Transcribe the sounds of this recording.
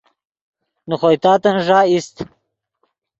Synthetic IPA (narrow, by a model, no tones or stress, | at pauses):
nuxojt̪aːt̪ɐnʐaːist̪